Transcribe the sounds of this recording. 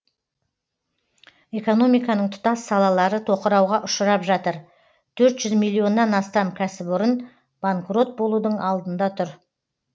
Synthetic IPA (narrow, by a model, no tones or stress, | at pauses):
e̞ko̞no̞mijkɑnəɴt̪ʰʊ̥t̪ɑsːɑlˠɑlˠɑɾət̪ʰo̞qəɾɑwʁɑʔʊʃəɾɑpʒɑt̪əɾ | t̪ʰɵɾt̪ʒ̥ʏzmijlʲˠːijo̞nːɑnɑst̪ɑmkʲʰæsɪpʊɾən | b̥aŋkro̞t̪̚bo̞lˠud̪əɴɑlˠd̪ənd̪ɑt̪ʰʊɾ